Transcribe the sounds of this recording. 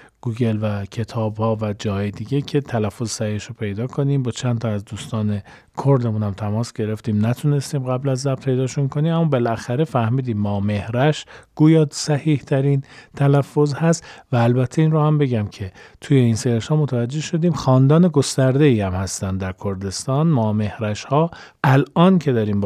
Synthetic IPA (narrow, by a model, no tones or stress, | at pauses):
ɡ̥uːɟe̞lvæcʰe̞t̪ʰɒːbhɒːvæd͡ʒɒːhjed̪iːɟe̞cʰe̞t̪ʰælæfːozsæhiːhʃopʰe̞jd̪ɒːkʰo̞niːmbɒːt͡ʃʰænt̪ʰɒæzd̪uːst̪ɒːne̞ | kʰoɾd̪e̞muːnhæmt̪ʰæmɒːsɟ̥e̞ɾe̞ft̪iːmnæt̪ʰune̞st̪iːmɣæblæzːæbt̪pʰe̞jd̪ɒːʃunkʰo̞niːmæmːɒːbe̞lʔæxæɾe̞fæhmiːd̪iːmːɒːme̞hɾæʃɡ̥uːjɒːsæhiːht̪ʰæɾiːnt̪ʰælæfːo̞zhæst̪væːlbæt̪ʰːeiːnrohæmbe̞ɟæmcʰe̞t̪ʰuje̞inseeʃhɒːmot̪ʰævæd͡ʒːe̞hʃo̞d̪iːmxɒːnd̪ɒːne̞ɡo̞st̪æɾd̪e̞iːæmhæst̪ænd̪d̪æɾkʰo̞ɾd̪e̞st̪ɒːnmɒːme̞hɾæʃhɒː | ʔælʔɒːncʰe̞d̪ɒːɾiːm